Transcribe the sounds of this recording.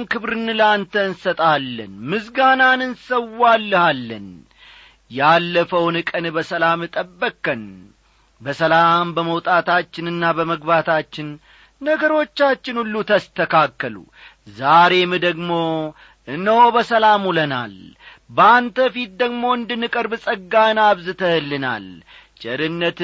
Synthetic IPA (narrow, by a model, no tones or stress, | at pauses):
nkɨβɾɨnɨlant̪ʰəɨnsət̪ʼalːə̰nmɨsɡananɨnsəwalːəhalːə̰n | jalːəfəwnɨkʼənbəsəlamɨt̪ʼəbːəkːən | bəsəlambəməwt̪ʼat̪ʰat͡ʃːɪnɨnːabəməɡbat̪ʰat͡ʃːɪn | nəɡəɾo̞t͡ʃːat͡ʃːɪnulːut̪ʰəst̪ʰəkʰakːəlṵ | zaɾe̞mɨd̪əɡmo̞ | ʔɨnːəwobəsəlamuləna̰l | bəant̪əfit̪̚d̪əɡmo̞ɨnd̪ɨnːɨkʼəɾbɨsʼəɡːaɨnaβzɨt̪ʰəhɨlːɨna̰l | t͡ʃʼɪɾɨnːət̪